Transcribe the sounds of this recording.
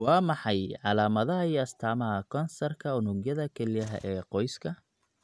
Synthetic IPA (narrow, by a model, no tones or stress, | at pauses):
wɑːmɑħɑjʕɑlaːmɐðɐɦɐiːɐst̪ʰaːmɐɦɐkʰɔnsɐrkʰɐʊnʊɡjɐðɐkʰɛlɪjɐɦɐ̰ʔɛːqɔjskʰɐ